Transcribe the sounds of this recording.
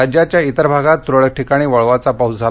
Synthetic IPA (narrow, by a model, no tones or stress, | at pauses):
ad͡ʑjat͡ɕjait̪əɾbʱaɡat̪ːɾəɭʈʰikaɽ̃iːʋəɭʋat͡sapawd͡zʱa